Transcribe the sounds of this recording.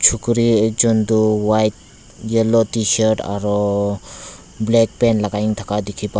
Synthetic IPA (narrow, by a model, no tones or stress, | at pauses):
t͡ʃʰukɾid͡ʒɔnd̪uwajt̪̚ | jelotiʃəɾʈa̰ɾɔ | blɛk̚pɛnlaɡaiŋt̪ʰakad̪ikʰipa